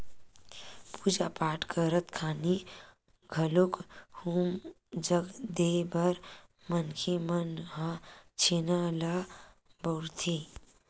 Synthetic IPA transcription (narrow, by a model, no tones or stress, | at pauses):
puːd͡ʒapaːʈʰkʰəɾət̪kʰaːni | ɡʱəlokhuːm | d͡ʒəɡd̪ebəɾ | mənkʰemənɦãt͡ʃʰenala | bəʊɾt̪ʰi